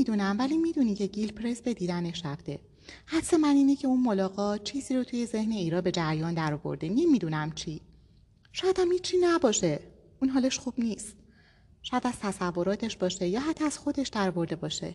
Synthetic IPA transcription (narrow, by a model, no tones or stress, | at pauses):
id̪unæmvæliːmiːd̪uːnicʰe̞ɟilpʰɾesbe̞d̪iːd̪æne̞ʃæbd̪̥e̞ | hæt̪se̞mæniːnecʰe̞uːnmolɒːɣɒːt̪̚t͡ʃʰiːziːɾot̪ʰuːje̞ze̞hne̞iːɾɒːbe̞d͡ʒæɾjɒːnd̪æɾɔːvo̞̰ɾd̪enemiːd̪uːnæmt͡ʃʰi | ʃɒːjæd̪æmhiːt͡ʃʰːinæbɒːʃe̞ | ʔuːnɦɒːle̞ʃxuːb̥niːst̪̚ | ʃɔjæd̪æz̥t̪ʰæsævːo̞ɾɒːt̪ʰe̞ʃbɒːʃe̞jɒːɦæt̪ʰːɒæz̥xo̞d̪e̞ʃd̪æɾɔːvo̞ɾd̪e̞bɒːʃe̞̰